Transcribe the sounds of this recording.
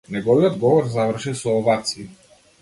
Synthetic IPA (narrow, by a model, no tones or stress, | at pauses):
nɛɡɔviɔd̪ɡɔvɔɾzavr̩ʃisɔːvat̪si